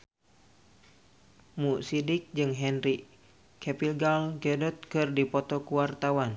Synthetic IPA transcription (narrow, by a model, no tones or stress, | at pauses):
musidik̚d͡ʒɨŋɦɛnri | kʰɛpilɡalɡɛdɔt̪̚kɨrdipɔt̪ɔkuwart̪awan